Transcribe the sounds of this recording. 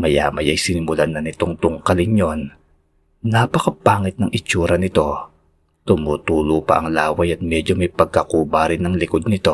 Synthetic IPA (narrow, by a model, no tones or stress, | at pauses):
mɐja̰mɐjɐjsɪnɪmʊlanɐnɪt̪oŋt̪ʊŋkɐlɪɲjo̞n | nɐpɐkɐpaːŋɪt̪̚nɐŋʔɪt͡ʃuːɾɐnɪt̪o̞ | t̪ʊmuːt̪uːlʊpɐ̰ʔɐŋlaːwɐjɐt̪̚mɛd͡ʒomɐjpɐɡ̚kɐkuːbaɾɪnːɐŋlɪko̞d̪̚nɪt̪o̞